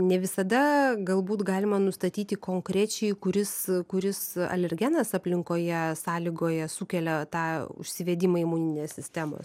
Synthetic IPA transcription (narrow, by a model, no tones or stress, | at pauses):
nʲɛʋʲɪsɐd̪ɐɡɐlˠbuːt̪ɡɑːlʲɪmɐnʊst̪ɐt̪ʲiːt̪ʲɪkoːŋkɾʲæːt͡ʃʲɛɪkʊɾʲɪskʊɾʲɪsɐ̰lʲɛɾʲɡʲɛnɐsɐpʲlʲɪŋkoːjɛsɑːlʲɪɡoːjɛsuːkʲɛlʲɛt̪ɑːʊ̰ʃʲsʲɪʋʲeːd̪ʲɪmɐɪmuːnʲɪnʲeːsʲsʲɪsʲt̪ʲæːmo̰ːs